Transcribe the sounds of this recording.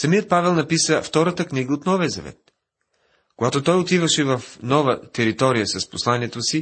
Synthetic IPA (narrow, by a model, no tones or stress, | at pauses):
sɐmijət̪̚pavɛlˠnɐpisəft̪ɔɾət̪əkniɡəot̪nɔvɛzɐ̰vɛ̰t̪̚ | koɡat̪ot̪ɔjot̪ivəʃɛvɐfnɔvət̪ɛɾit̪ɔɾijəsɐsposlˠaniɛt̪osi